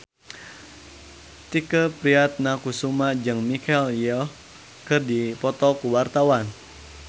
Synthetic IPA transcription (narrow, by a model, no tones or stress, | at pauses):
t̪ikəpɾiat̪̚nakusumad͡ʒɨŋmikɛljɔh | kɨrdipɔt̪ɔkuwart̪awan